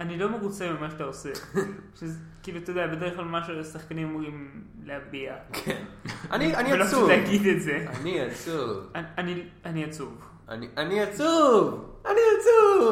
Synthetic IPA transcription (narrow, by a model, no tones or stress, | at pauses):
anilo̞meʁut͡semimaʃet̪aoseʃezkiːluat̪od̪eabed̪eʁeχlalmaʃuasaχkanimamuʁim | leabiakʰena̰nianialoulehaɡid̪etzeaniat͡suvaanianiat͡suv | a̰niʔaniat͡suvaniat͡suvv